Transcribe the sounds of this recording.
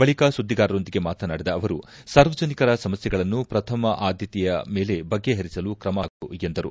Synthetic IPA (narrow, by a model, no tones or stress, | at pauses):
bɐɭikasud̪ːiɡaːɾɐɾo̞nd̪iɡe̞maːt̪ʰɐnaːɽid̪ɐːʋɐɾusaːɾʋɐd͡ʒɐnikɐɾɐsɐmɐsjɛɡɐɭɐnːupɾɐt̪ʰɐmɐʔaːd̪ʱjɐt̪ijɐme̞ːle̞bɐɡːe̞ɦɐɾisɐlukɾɐmaːɡuend̪ɐɾu